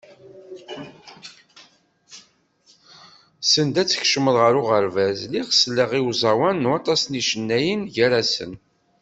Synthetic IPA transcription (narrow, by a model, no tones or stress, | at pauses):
sənd̪æt͡sːə̥çʃəməðʁəɾʊʁəɾvæzliʁəslːəʁiwzˤɑwænːuɑt̪ˤɑsniʃənːæjənʝæɾæsə̰n